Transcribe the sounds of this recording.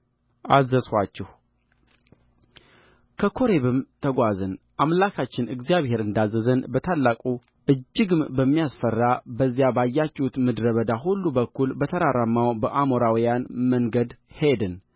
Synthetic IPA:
ʔazːəswat͡ʃːɛh | kʰəkʰo̞ɾeβɨmt̪ʰəɡʷazɨnʔamlakʰat͡ʃːɪnɨɡzijaβhe̞ɾɨnd̪azːəzənbət̪ʰalːakʼu | ʔɨd͡ʒːɪɡɨmbəmːijasfərːabəzːjabajːat͡ʃːɛhut̪mɨd̪ɾəβəd̪aɦulːubəkːulbət̪ʰəɾaɾamːawbəʔamoɾawijanməŋɡəd̪hed̪ɨn

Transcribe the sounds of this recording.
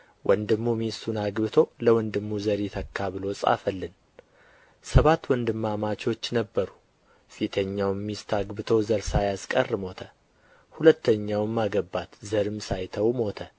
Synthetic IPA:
wʔənd̪ɨmːumisunaɡbɨt̪ʰo̞ləwɔnd̪ɨmːuzəɾet̪ʰəkʰːaβɨlo̞sʼa̰fəlːɨn | səβat̪ːwɔnd̪ɨmːamat͡ʃo̞t͡ʃːnəbːəɾu | fit̪ʰəɲːawmːist̪ʰaɡbɨt̪ʰo̞zəɾsajaskʼərmo̞t̪ʰə | hulət̪ːəɲːawmːaɡəbːat̪zəɾɨmsajt̪ʰəwmo̞t̪ʰə

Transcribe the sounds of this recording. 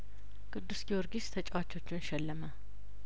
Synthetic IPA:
kʼɨd̪ːusɡioɾɡist̪ʰət͡ʃʼawat͡ʃːo̞t͡ʃːɪnʃɛlːəmə

